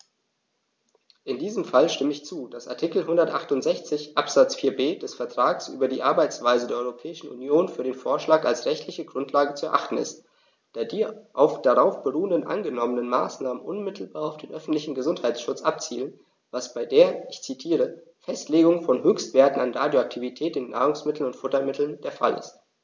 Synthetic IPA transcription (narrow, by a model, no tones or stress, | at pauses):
ʔɪndiːzəmfalʃtɪməɪçt͡suːd̥asa̰ɐtʰɪkl̩ɦʊndɐtʔa̰χtʊntz̥ɛçt͡sɪçʔapz̥at͡sfiːɐbeːd̥ɛsfɛɐtʁ̥aːɡsʔy̰ːbɐdiːʔaɐbaɪt͡sv̥aɪzədeːɐɔʏʁopʰɛːɪʃn̩ʔṵnjoːnfyːɐɾeːnfoːɐʃlaːkalsʁɛçtʰlɪçəɡʁʊntʰlaːɡət͡suɛɐʔaχtn̩ɪ̰st | d̥aːɐdiːʔaʊfd̥aʁaʊfb̥əʁuːəndənʔa̰nɡənɔmənənmaːsnaːmənʔʊnmɪtʰl̩baːɐaʊfd̥eːnʔœfn̩tlɪçn̩ɡəzʊnthaɪtsʃʊt͡sʔap̚t͡siːlən | vasb̥aɪdeːɐɪçt͡sitʰiːʁə | fɛstleːɡʊŋfɔnhɦøːçstv̥eːɐtn̩anʁaːdjoak̚tʰivitʰɛːtɪnːa̰ːʁʊŋsmɪtl̩nʊntfʊtɐmɪtʰl̩nd̥eːɐfa̰lɪ̰st